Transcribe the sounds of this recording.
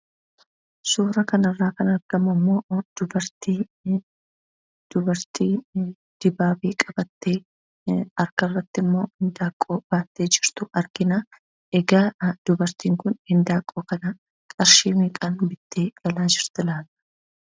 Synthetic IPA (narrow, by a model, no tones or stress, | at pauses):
suːɾɐkɐnɐrːaːkɐnɐɾɡ̥ɐmɐmːo̞ːd̪̥ʊbɐɾt̪iː | d̪̥ʊbɐɾt̪iː | d̪̥ɪbaːfiːkʼɐb̥ɐt̪ːe̞ː | ɐɾkɐrːɐt̪ːɪmːo̞ːhɪnd̪aːkʼːo̞ːb̥aːt̪ːe̞ːd͡ʒɪɾt̪ʊʔɐɾɡɪnaː | ʔɛɡaːd̪̥ʊbɐɾt̪iːŋkʊnhɪnd̪aːkʼːoːkɐnɐ | kʼɐɾʃiːmiːkʼaːnbɪd̪ːeːɡ̥ɐlaːd͡ʒɪɾt̪ɪlaːlɐ̥